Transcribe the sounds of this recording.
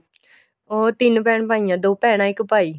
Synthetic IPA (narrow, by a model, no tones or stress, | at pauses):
oːt̪ɪnpɛːɳpaːijãːd̪oːpɛːɽ̃ãːɪkpaːiː